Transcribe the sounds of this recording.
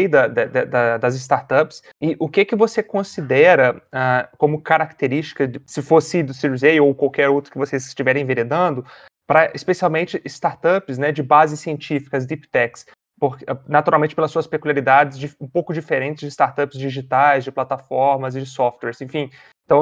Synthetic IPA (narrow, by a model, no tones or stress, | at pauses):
jd̪ɐd̪ɐd̪ɐd̪ɐd̪ɐzɪs̬t̪aɾt̪ɐps | ɪʔʊkɪkɪvosekõsid̪ɛɾɐakõmʊkaɾak̚t̪eɾist͡ʃi̥kɐɪsɪfosɪid̪ʊsiɾuzejowkwawkɛɾowt̪ɾʊkɪvosezɪ̥st͡ʃivɛɾẽj̃veɾed̪ɐ̃d̪ʊ | pɾɐʔispesiawmẽnt͡ʃɪʔɪst̪aɾt̪ɐpɪsnɛd͡ʒɪbazɪsiẽnt͡ʃifi̥kɐzd̪ipt̪ɛks | poɾɛnat̪uɾawmẽnt͡ʃɪpelɐsːuɐspekuliaɾid̪ad͡ʒɪzd͡ʒiũpowkʊd͡ʒifeɾẽnt͡ʃɪzd͡ʒɪst̪aɾt̪ɐpzd͡ʒiʒit̪ajzd͡ʒɪplat̪afɔɾmɐzɪd͡ʒɪsɔft̪wɛɾzẽfĩ | ɪ̃t̪ɐ̃w̃